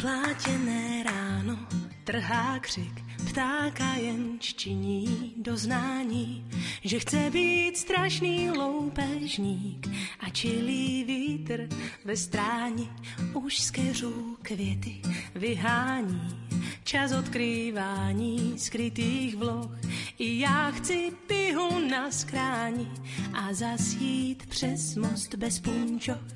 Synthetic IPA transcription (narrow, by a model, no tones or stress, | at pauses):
plaːcɛnɛːɾaːnot̪r̩ɦaːkr̝̥ɪk | pt̪aːkajɛnʃt͡ʃɪɲiːdoznaːɲiːʒɛxt͡sɛbiːt̪st̪ɾaʃniːlowpɛʒɲiːkʔat͡ʃɪliːviːt̪r̩vɛst̪ɾaːɲɪ | ʔuʃskɛr̝uːkvjɛt̪ɪvɪɦaːɲiːt͡ʃasot̪kɾiːvaːɲiːskɾɪt̪iːxvloxʔɪjaːxt͡sɪpɪɦunasxɾaːɲɪʔazasjiːt̪pr̥ɛsmost̪bɛspuɲt͡ʃo